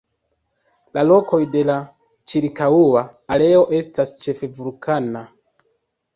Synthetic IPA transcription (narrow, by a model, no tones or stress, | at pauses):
lalo̞ko̞jde̞la | t͡ʃiɾkauaːle̞o̞ʔe̞stast͡ʃe̞fe̞vulkʰana